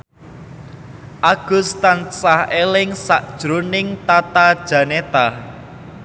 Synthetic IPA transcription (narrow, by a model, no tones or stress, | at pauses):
ʔaɡ̥ust̪ansahelɪŋsaʔd̥ʒ̥ɾonɪŋt̪at̪ad̥ʒ̥ä̤net̪a